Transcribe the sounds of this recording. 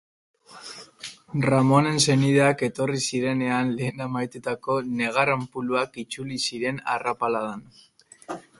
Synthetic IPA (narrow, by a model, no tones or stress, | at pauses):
ramo̞ne̞nse̞niðeake̞t̪o̞risiɾe̞ne̞anle̞ːnamajt̪ut̪ako̞ne̞ɣ̞arampuluakit͡sulisiɾe̞na̰rapalaðan